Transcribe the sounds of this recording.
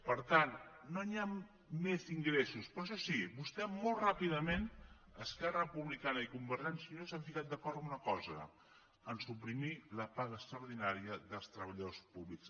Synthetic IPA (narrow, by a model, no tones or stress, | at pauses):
pəɾt̪annoniaː | eziŋɡɾesuspɾɔʃ̬ɔsibust̪ɛmːolˠtrapiðəmen | əskɛrəpuβlikanəikumbəɾʒɛnsunosaɱfikat̪̚d̪əkɔɾt̪əmunəkɔzə̰ | ənsupɾimiləpaɣəːst̪ɾəuwɾð̞inaɾiəðəlˠst̪ɾəβəʎəðospuβliks